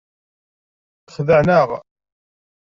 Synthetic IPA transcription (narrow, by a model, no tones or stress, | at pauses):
θəχðəʕnəʁ